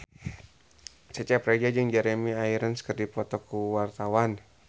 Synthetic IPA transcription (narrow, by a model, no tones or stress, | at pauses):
sət͡ʃapɾad͡ʒad͡ʒəŋd͡ʒaɾemiaiɾənsə̥kərdipɔt̪ɔkuwart̪awan